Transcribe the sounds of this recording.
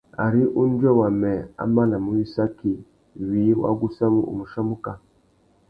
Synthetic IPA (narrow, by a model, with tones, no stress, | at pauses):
a̰˨ɾi˦ʔu˦n˦dwɛ˦wa˨mɛ˨a̰˦ma˦la˨mu˦wi˦sa˦ki˨ | wiː˨˦wa̰˦ɡu˦sa˦mu˦ʔṵ˨mu˨ʃa˦mu˦ka˨